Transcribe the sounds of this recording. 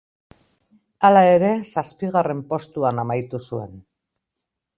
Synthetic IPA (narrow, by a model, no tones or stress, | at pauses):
alae̞ɾe̞saspiɣare̞mpo̞st̪uanamajt̪usue̞̰n